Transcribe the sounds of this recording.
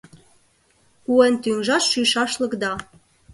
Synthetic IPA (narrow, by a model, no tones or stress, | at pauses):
kuent̪yŋʒɑʃʃyjʃɑʃlɤ̆kd̪ɑ